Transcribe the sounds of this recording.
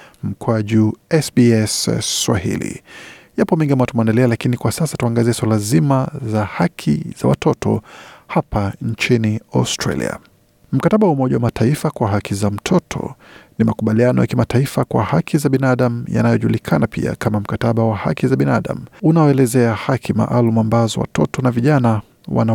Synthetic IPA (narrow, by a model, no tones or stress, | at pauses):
m̩kʰwaʄuɛsbiɛsswa̰hḭlḭjapɔmiŋɡiamwatumɛndɛlɛalakinikwasasatuaŋɡaziɛswalazimazahakʰḭz̥a̰wa̰tʰɔtʰɔ̰hapʰaɲt͡ʃiniastɾa̰lḭa̰ | m̩kataɓawaumɔʄawamatʰaifakwaɦakʰizam̩tʰɔtʰɔ̰nimakuɓalianɔ̰jakimataifakwa̰hakʰizaɓinaɗam̩ja̰najɔʄulikʰanapḭa̰kʰamam̩kataɓawaha̰kizaɓinaɗa̰m̩unaɔɛlɛzɛahakʰima̰ʔalumuambazɔ̰wa̰tʰɔtʰɔnaviʄana | wa̰na